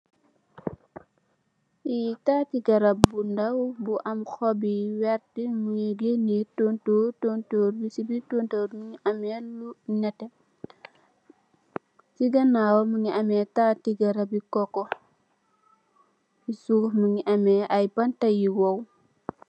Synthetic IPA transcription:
itaːtiɡɐɾɐbundɐwbuʔɐmxɔbiwɛɾtimujiɡenitontutontoɾbisibitontoːɾmuŋiʔɐmɛlunɐtɛ | siɡɐnaːwomuŋiʔɐmɛtaːtiɡɐɾɐbikɔkɔ | isumuŋiʔɐmɛʔɐjbɐntɐjiwɔw

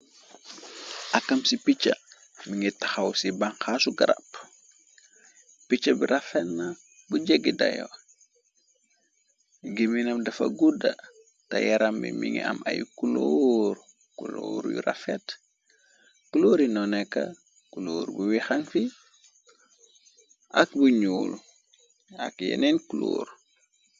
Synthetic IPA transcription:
ʔɐkːɐmsipit͡ʃːɐ̰ | miŋitɐxɐwsibɐŋxasuɡɐɾɐ̰p | pit͡ʃːɐbiɾɐfɛtnɐ | buɟɛɡːidɐ̰jɔ̰ | ɡiminɐmdɐfɐ̰ɡudɐ | tajaɾambimiŋia̰ma̰jukuloɾ | kuloːɾjṵɾa̰fet | kuloːɾinɔnɛkːa | kuloːɾbuwixaŋfi | ʔakbuɲuːl | a̰kjḛnenkulo̰ːɾ

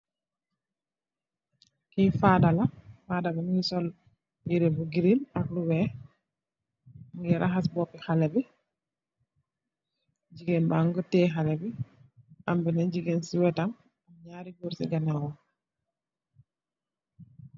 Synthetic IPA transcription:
kijfadalafadabanuŋɡisɔl | jiɾɛbuɡiɾinakluwɛ | muŋɡɛɾʔaxasbɔpɛxalɛbɛ | d͡ʒiɡɛnbaŋɡɔtɛxalɛbɛʔambɛnand͡ʒiɡensiwɛtam | amɲaːɾiɡuɾsiɡanawɔ

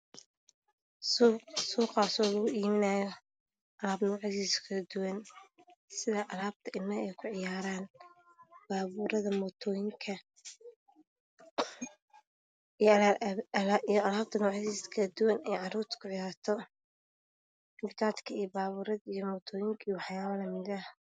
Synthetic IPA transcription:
suːqaːsɔlɐɣʊʔiːmɪnaːjɔ | ʔɐlaːbnɔːʕɪðiːskʰɐlɐd̪ʊwɐn | sɪðɐʔɐlaːb̚t̪ʰɐʔɪnːɐɛjkʰʊʕɪjaːɾaːn | b̥aːβuːɾɐðɐmɔt̪ʰɔːjɪŋkʰɐ | ijɔɐlaːb̚t̪ʰɐnɔːʕɪðiːskʰɐlɐd̪ʊwɐnɛjʕɑɾuːrt̪ʰkʰʊʕɪjaːɾt̪ʰɔ | ɪmbɪt̪ʰaːt̪kʰɐijɔbaːβuːɾɐðɐijɔmɔːt̪ʰɔːjɪŋkʰɐijwɑħjaːβɐlɐmɪd̪ɐh

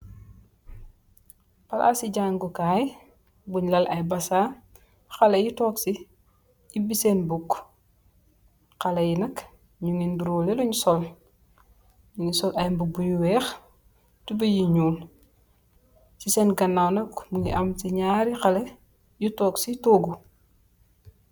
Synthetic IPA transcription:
pɐlʔa̰siɟaːŋɡukaːj | buɲlɐlʔɐjbɐsaː | xɐlɐjutɔːksi | ibisɛnbuk | xɐlɐjinɐk | ɲuŋinbuɾɔleluɲsɔl | luŋisɔlʔɐjmbubuɲuwɛːx | tubɐjiɲuːl | sisɛnɡɐnːawnɐkmuŋiʔɐmtiɲaːɾixɐlɐ | jutɔːksitoːɡu

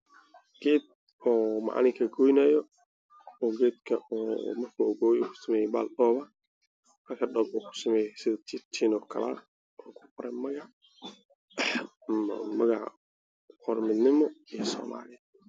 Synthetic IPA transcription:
ɡ̥ɛːd̪̚ | ɔːmɑ̰ʕ̰nɪŋkʰɐɡɔjnɐjɔ | ɔɡɛːd̪̚kʰɐɔːmɐrkʰuɔɣɔːjuːkʰʊ̥sɐmɛːjɛba̰ːlɗɔːβɐ | hɐrkʰɐɖɔbuːkʰʊ̥sɐmɛːjɛsɪðɐt͡ʃ̪ʰit̪ʰiːnɔːkʰɐ̰lɐ̰ | ʔɔːkʰʊ̥qɔɾɛmɐɣɑʕ | mɐɣɑʕ | ɔrmɪd̪nɪmɔijsɔ̰ːma̰ːlɪjɐ

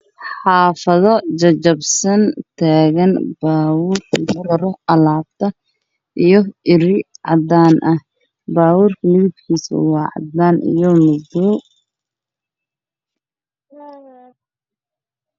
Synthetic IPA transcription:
ħɑːfɐðɔt͡ʃɐt͡ʃɐbsɐnt̪ʰaːɣɐnbaːwuːrkʰid̪ɔlɔɾɔʔɐlaːbt̪ʰɐ | ʔijɞɪɾɪʕɑ̰d̪aːnʔɐh | baːwuːrkʰɐlib̚kʰiːsɐ̰wɑːʕɑ̰d̪aːnʔḭjɔmʊduː

